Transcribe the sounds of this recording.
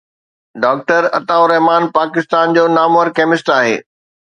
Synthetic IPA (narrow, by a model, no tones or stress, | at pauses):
ɖaːk̚ʈəɾɐ̰t̪aːʊɾɐɦmaːnpaːkɪst̪aːnd͡ʑoːnaːməɾkɛːmɪsʈaːɦḛː